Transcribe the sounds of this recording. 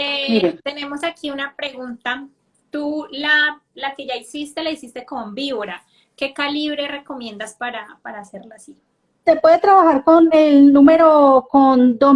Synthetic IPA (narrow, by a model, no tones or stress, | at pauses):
emiɾet̪e̞ne̞mo̞sakʰiunapɾe̞ɣunt̪a | t̪ulalake̞ʝaisist̪e̞laisist̪e̞kombiβoɾa | ke̞kaliβɾe̞re̞ko̞mjẽ̞nd̪aspaɾapaɾaːse̞ɾlaːsi | t̪e̞pwe̞ðet̪ɾaβaxaɾkonelnũme̞ɾokond̪o